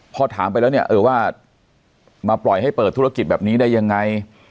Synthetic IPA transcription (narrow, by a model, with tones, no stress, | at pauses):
pʰɔː˧t̪ʰaː˩˦mp̬a˧jlɛː˦˥wni˥˩ɐʔɤː˧˩˦waː˥˩ | maː˧plɔ˨˩jha˥˩jpɤː˨˩t̪ʰːu˦˥a˧ki˨˩t̪̚bɛː˨˩p̚niː˦˥da˥˩jːa˧ŋːa˧j